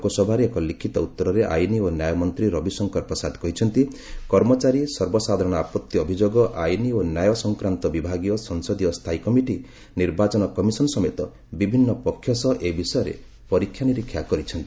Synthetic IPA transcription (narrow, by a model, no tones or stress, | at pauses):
kɔsɔbʱaɾeːkɔlikʰit̪ɔut̪ːɔɾɔɾeʔa̰jnionjajɔmɔnt̪ɾiɾɔbisɔŋkɔɾpɔsad̪kɔɦit͡ʃʰɔnt̪ikɔɾmɔt͡ʃaɾisɔɾbɔsad̪ʱɔɾɔɽ̃ɔapɔt̪ːjiɔbʱid͡ʒoɡɔʔajnionjajɔsɔŋkɾant̪ɔbibʱaɡijɔsɔŋsɔd̪ijɔst̪ʰaikɔmiʈi | niɾbat͡ʃɔnɔkɔmisɔnɔsɔmet̪ɔ | bibʱinːɔpɔkʰːjɔsɔʔebisɔjɔɾḛ | pɔɾikʰjaniɾikʰːjakɔɾit͡ʃʰɔnt̪i